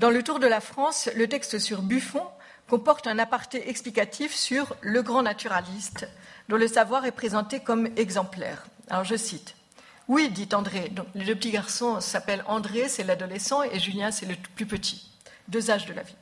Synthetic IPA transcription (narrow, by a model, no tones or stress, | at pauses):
d̪ɑ̃lət̪uʁd̪əlafχɑ̃slət̪ɛkst̪əsyʁbyfɔ̃ | kɔ̃pɔʁt̪ɛ̃napaʁt̪eʔɛksplikat̪ʰifsyʁləɡʁɑ̃nat̪yʁalist̪d̪ɔ̃ləsavwaʁɛpχezɑ̃t̪ekɔmɛɡzɑ̃plɛ̰ːʁ | a̰lɔʁʒəsit̪ | wid̪it̪ɑ̃d̪ʁed̪ɔ̃kled̪øpət̪iɡaʁsɔ̃sapɛlɑ̃d̪ʁesɛlad̪ɔlɛsɑ̃eʒyljɛ̃sɛləplypət̪ʰi̥ | d̪øzaʒd̪əla̰vi